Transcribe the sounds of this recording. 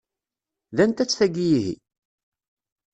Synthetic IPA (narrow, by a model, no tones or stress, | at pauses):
ðænt̪æt͡sːθæɡijihḭ